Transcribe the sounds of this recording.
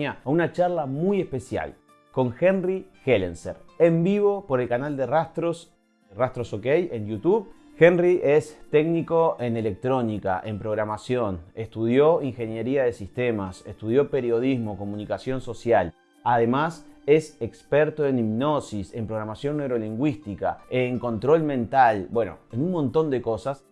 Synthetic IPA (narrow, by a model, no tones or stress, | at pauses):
aunat͡ʃaɾlamuje̞hpe̞sja̰l | ko̞ŋxenrixelḛnseɾe̞mbiβo̞po̞ɾe̞lkanald̪erast̪ɾos | rast̪ɾosokejenjut̪uβ | xenriʔest̪e̞ɡniko̞e̞ne̞le̞k̚t̪ɾo̞nika̰ʔe̞mpɾo̞ɣɾamasjo̞ne̞st̪uð̞jo̞iŋxe̞nje̞ɾiaðe̞sist̪emasest̪uðjo̞pe̞ɾjo̞ð̞izmo̞ko̞mũnikasjo̞nso̞sjal | aðe̞mase̞sekspeɾt̪oe̞nibno̞sise̞mpɾoɣɾamasjo̞nːewɾo̞liŋɡwist̪ika̰eŋko̞nt̪ɾo̞lmẽ̞nt̪albwe̞no̰enunmõnt̪o̞nd̪eko̞sas